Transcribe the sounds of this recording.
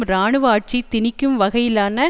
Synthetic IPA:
ɾaːɳɯʋaːʈ̚t͡ʃit̪ɪnɪkːɯmʋɐɣɐjɪlaːnɐ

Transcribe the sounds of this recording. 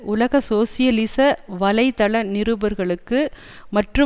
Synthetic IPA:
ʔʊlɐɣɐsoːsɪjɐlɪsɐʋɐlɐɪt̪ɐɭɐnɪɾɯbɐɾɣɐɭɯkːɯ | mɐʈrɯ

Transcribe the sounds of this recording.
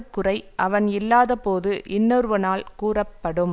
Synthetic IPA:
kːɯrɐɪʔɐʋɐnɪlːaːðɐpoːðɯʔɪnːɔɾɯʋɐnaːlkuːrɐpːɐɽɯm

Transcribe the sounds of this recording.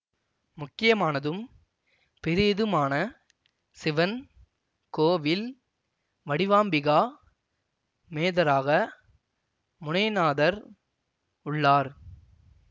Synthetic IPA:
mʊkːɪjɐmaːnɐðɯm | pɪɾɪɪðɯmaːnɐ | sɪʋɐn | koːʋɪl | ʋɐɽɪʋaːmbɪɣaː | meːðɐɾaːɣɐ | mʊnɐɪnaːðɐɾ | ʊɭːaːɾ

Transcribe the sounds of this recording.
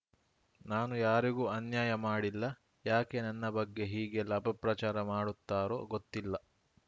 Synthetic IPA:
naːnujaːɾiɡuːɐnjaːjɐmaːɽilːɐ | jaːke̞nɐnːɐbɐɡːe̞ɦiːɡe̞lɐbʱɐpɾɐt͡ʃaːɾɐmaːɽut̪ːaːɾo̞̰ːɡot̪ːilːɐ

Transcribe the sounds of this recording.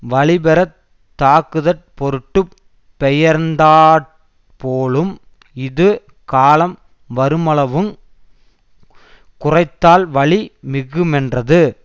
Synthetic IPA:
ʋɐɭɪbɛɾɐ | t̪ːaːkɯðɐʈ̚pɔɾɯʈːɯ | pːɛjɐɾnd̪aːɾ | poːɭɯm | ɪðɯ | kaːlɐm | ʋɐɾɯmɐɭɐʋɯm | kʊrɐɪt̪ːaːlʋɐɭimɪɣɯmɛndrɐðɯ

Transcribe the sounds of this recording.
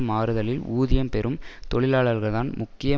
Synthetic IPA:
maːɾɯðɐlɪluːðɪjɐmpɛɾʔɯmt̪ɔɭɪlaːɭɐɾɣɐɭðaːnmʊkːɪjɐ

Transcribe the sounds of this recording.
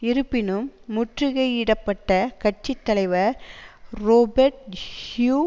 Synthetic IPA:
ɪɾɯpːɪnɯmːʊʈrɯɣɐɪɪɽɐpːɐʈːɐkɐʈ̚t͡ʃɪt̪ːɐlɐɪʋɐɾ | ɾoːbɐɾʈ̚hjuː

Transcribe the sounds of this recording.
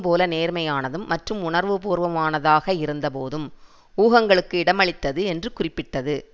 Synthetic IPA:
poːlɐneːɾmɐjaːnɐðɯmːɐʈrɯmʊɳɐɾʋɯpuːɾʋɐmaːnɐðaːɣɐɪɾɯnd̪ɐpoːðɯm | uːɣɐŋɡɐɭɯkːɯɪɽɐmɐɭɪt̪ːɐðɯɛndrɯkʊrɪpːɪʈːɐðɯ

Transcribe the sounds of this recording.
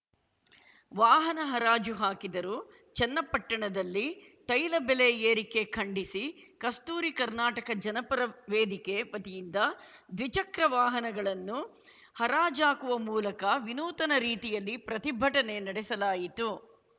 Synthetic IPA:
ʋaːɦɐnɐɦɐɾaːd͡ʒuɦaːkid̪ɐɾuː | t͡ʃɛnːɐpːɐʈːɐɳɐd̪ɐlːi | t̪ɐjlɐbɛleeːɾike̞kʰɐɳɖisikɐst̪uːɾikɐɾnaːʈɐkɐd͡ʒɐnɐpɐɾɐʋeːd̪ike̞ʋɐt̪ijind̪ɐd̪ʋit͡ʃɐkɾɐʋaːɦɐnɐɡɐɭɐnːu | hɐɾaːd͡ʒaːkuʋɐmuːlɐkɐʋinuːt̪ɐnɐɾiːt̪ijɐlːipɾɐt̪ibʱɐʈɐne̞nɐɽɛsɐlaːjit̪u

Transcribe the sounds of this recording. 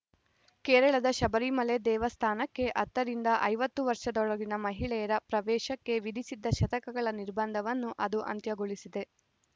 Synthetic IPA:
keːɾɐɭɐd̪ɐʃɐbɐɾimɐle̞d̪ɛːʋɐst̪ʰaːnɐkːe̞ʔɐt̪ːɐɾind̪ɐʔɐjʋɐt̪ːuʋɐɾʂɐd̪ɔɭɐɡinɐmɐɦiɭɛjɐɾɐpɾɐʋɛːʃɐkːe̞ʋid̪ʱisid̪ːɐʃɐt̪ɐkɐɡɐɭɐniɾbɐnd̪ʱɐʋɐnːuʔɐd̪uʔɐ̰nt̪jɐɡoɭisid̪e̞

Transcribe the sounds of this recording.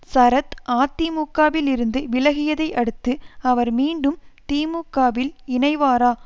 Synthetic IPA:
sɐɾɐt̪ʔaːt̪ːimuːkːaːʋɪlɪɾɯnd̪ɯʋɪlɐɣɪjɐðɐɪʔɐɽɯt̪ːɯɐʋɐɾmiːɳɖɯmt̪iːmuːkːaːʋɪlɪnɐɪʋaːɾaː

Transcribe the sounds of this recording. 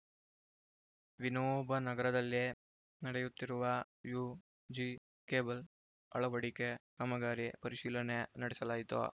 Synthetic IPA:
ʋinoːbʱɐnɐɡɐɾɐd̪ɐlːi | nɐɽejut̪ːiɾuʋɐ | ju | d͡ʒi | keːbɐl | ɐ̰ɭɐʋɐɽikekɐmɐɡaːɾipɐɾiʃiːlɐnenɐɽɛsɐlaːjit̪ṵ

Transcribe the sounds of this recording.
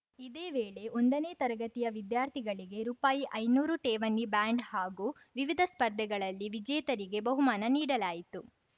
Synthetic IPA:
id̪eːʋeːɭe̞ʔo̞nd̪ɐneːt̪ɐɾɐɡɐt̪ijɐʋid̪jaːɾt̪ʰiɡɐɭiɡe̞ɾuːpaːjiʔɐjnuːɾuʈeːʋɐnːibaːɳɖhaːɡuː | ʋiʋid̪ʱɐspɐɾd̪ʱɛɡɐɭɐlːiʋid͡ʒɛːjt̪ɐɾiɡe̞bɐɦumaːnɐniːɽɐlaːjit̪u

